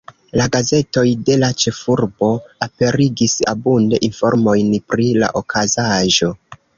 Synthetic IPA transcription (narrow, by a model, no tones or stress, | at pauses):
laɡaze̞to̞jde̞lat͡ʃe̞fuɾbo̞ape̞ɾiɡisa̰bunde̞̰ʔinfo̞̰ɾmo̞jnpɾila̰ʔokʰazaʒo̞